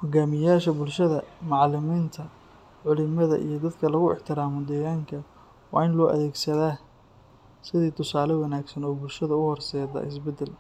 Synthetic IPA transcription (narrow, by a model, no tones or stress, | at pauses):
hɔɡaːmɪjaːʃɐbʊlʃɐðɐmɑʕlɪmiːnt̪ʰɐ | ʕʊlɪmɐðɐ̰ʔḭjɞd̪ɐd̪kʰɐlɐɣʊɪ̰ħt̪ʰɪɾaːmɔd̪ɛːɣaːŋkʰɐ | wɑ̰ːɪnlɔːʔɐ̰ðɛːɡsɐðaː | sɪðiːt̪ʰʊsaːlɛwɐnaːɡsɐnɔːbʊlʃɐðɐʊhɔrsɛːd̪ɐ̰ʔɪsbɛd̪ɛl